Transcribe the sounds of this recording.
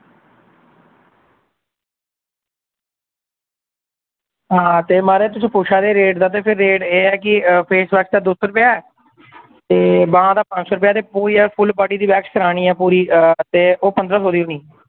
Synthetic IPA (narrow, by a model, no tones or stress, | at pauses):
ɦãːt̪eːmaːɾeːt̪ʊsĩːpoːʃʰaːd̪eːɾeːʈd̪aːt̪̬eːpʰɪɾːeːʈeːɛːkɪpʰeːsbɛːksd̪aːd̪ʊsɾʊpjaːɛː | t̪eːbãːd̪aːpə̃nɲt͡ʃsoːɾəp̬jaːt̪eːpuːɾiːɛːpʰʊlpaːʈiːd̪iːbɛːkʃkəɾaːɽ̃iːɛːpuːɾiːt̪eːʔoːpənd̪ɾãːsoːd̪iːʊːniː